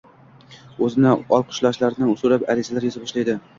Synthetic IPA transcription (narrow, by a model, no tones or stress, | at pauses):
ɵzɪnɪɒlˠqʰʊ̥ʃlˠɒʃlaɾnɪʊsʊɾapaɾɪzalaɾjɪzabɒʃlajd̪ɪ